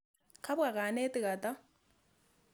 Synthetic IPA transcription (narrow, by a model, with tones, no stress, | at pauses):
kʰa˦βwa˨ka˨nɛ˦tɪ˨ka˨ta˦